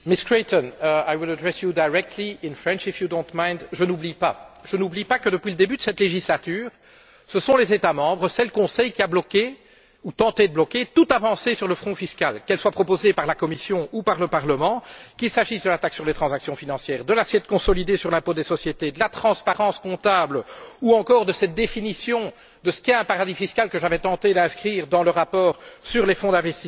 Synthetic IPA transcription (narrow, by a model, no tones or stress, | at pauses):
miskɹet̪ɔnəajwilad̪ʁɛsjud̪ajʁɛk̚t̪liɪnfɹɛ̃nʃifjud̪õnt̪majnd̪ʒənublipaʒ̥ənublipakəd̪əpɥiləd̪ebyd̪əsɛt̪leʒislat̪yːʁ | səsɔ̃lezet̪amɑ̃bʁəsɛlkɔ̃sɛjkʲiablɔkʲe | ut̪ɑ̃t̪ed̪əblɔkʲet̪ut̪avɑ̃sesyʁləfχɔ̃fiskalkɛlswapχɔpozepaʁlakɔmisjɔ̃upaʁləpaʁləmɑ̃kʲilsaʒisd̪əlat̪aksyʁlet̪χɑ̃zaksjɔ̃finɑ̃sjɛːʁd̪əlasjɛt̪kɔ̃sɔlid̪esyʁlɛ̃pod̪esɔsjet̪ed̪əlat̪χɑ̃spaʁɑ̃skɔ̃t̪abluɑ̃kɔːʁd̪əsɛt̪̚d̪efinisjɔ̃ | d̪əsə̥kʲɛɛ̃paʁad̪ifiskalkəʒavɛt̪ɑ̃t̪ed̪ɛ̃skχiːʁd̪ɑ̃ləʁapɔːʁsyʁlefɔ̃d̪ɛ̃vɛst̪i